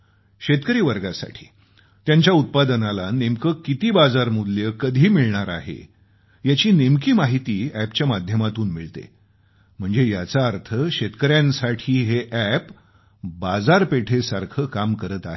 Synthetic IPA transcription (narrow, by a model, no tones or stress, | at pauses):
ɕet̪kəɾiːʋəɾɡasa̰ʈʰi̥̰ː | t̪jaɲt͡ɕjaut̪̚pad̪ənalanemkəkit̪iːbad͡zaɾmud̪ljəkəd̪ʱiːmiɭɳaɾa̰ɦḛ | jat͡ɕiːnemkiːmaɦit̪iːæpt͡ɕjamad̪ʱjəmat̪uːnmiɭt̪ḛ | m̤əɳd͡zejat͡saəɾt̪ʰəɕet̪kəɾjãnsaʈʰiːɦeʔæp | bad͡zaɾpeʈʰesaɾkʰəkamkəɾət̪aɦe